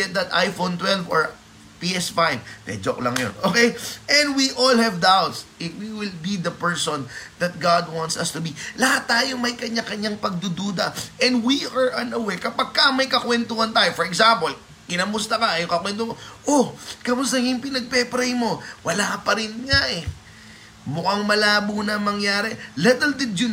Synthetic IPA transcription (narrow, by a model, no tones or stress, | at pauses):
ɛt̪̚d̪ɐt̪a̰jfont̪wɛlvɔ̰ɹ | piʔɛsfajvmɛ̰d͡ʒoklɐ̰ŋjo̰nʔokɛjʔɛ̃nd̪wiʔolhɛvd̪awt̪sʔɪfwiwɪlbid̪ɐpɛɹsond̪ɐt̪̚ɡad̪wãnt̪sɐst̪ʊbilɐhat̪ːaːjomɐjkɐɲakɐɲaŋpɐɡ̚d̪ud̪uːd̪ɐʔɛ̃nd̪wiɐɹʔɐnɐwɛɹkɐpɐɡ̚kɐmɐjkɐkwɛnt̪ohɐnt̪aːjofɔɾɹɛksampol | kɪnɐmʊst̪ɐkɐɐjʊŋkɐkwɛnt̪omoʔokɐmʊst̪ɐŋjʊŋpɪnɐɡ̚pɛpɾɛjmo̞wɐlapɐɾɪnŋaʔɛ | mʊkɐŋmɐlaːbonɐmɐŋjaːɾɛlɛt̪ɛld̪ɪd̪jʊ